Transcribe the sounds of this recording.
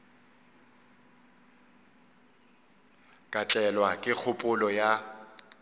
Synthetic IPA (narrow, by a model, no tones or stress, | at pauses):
kʼat͡ɬʼɛlwakʼɪk͡xʰʊpʼʊlɔja